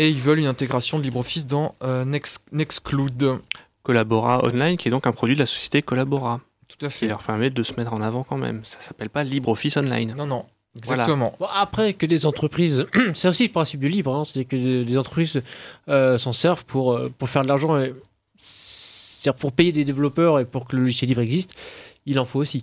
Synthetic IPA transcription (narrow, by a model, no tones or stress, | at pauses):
eilvœlynɛ̃t̪eɡʁasjɔ̃d̪əlibʁofis̬d̪ɑ̃ønɛksnɛksklud̪ | kɔlabɔʁaɔ̰nlajnkʲiɛd̪ɔ̃kɛ̃pχɔd̪ɥid̪əlasɔ̥sje̥t̪ekɔlabɔʁa | t̪u̥t̪akfilœʁpɛʁmɛd̪əsəmɛt̪χɑ̃navɑ̃kɑ̃mɛ̰msḁsapɛlpalibʁɔfisɔnla̰jnnɔ̃nɔ̃ | ɛɡzvwalat̪əmɑ̃bɔ̃apχɛkəd̪ezɑ̃t̪χəpχizsɛt̪osiləpχɛ̃sip̚d̪əlibʁɛ̃se̥t̪ad̪iːʁkəd̪ezɑ̃t̪χəpχizøsɑ̃sɛʁvpʰuʁpuʁfɛʁd̪əlaʁʒɑ̃e | st̪ad̪iʁpuʁpejed̪ed̪evlɔpœʁepuʁkələlɔʒisjɛlːibʁɛɡzist̪ilɑ̃foosi